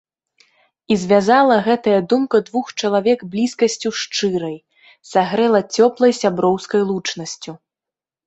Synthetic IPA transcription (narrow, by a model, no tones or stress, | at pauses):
izʲvʲazalˠɐɣɛt̪ɐjɐd̪umkɐd̪vuxt͡ʂɐlˠavʲɛɡblʲiskɐsʲt͡sʲuʂt͡ʂɨɾɐj | saɣɾɛlˠɐt͡sʲɔplˠɐjsʲabɾɔwskɐjlˠut͡ʂnɐsʲt͡sʲu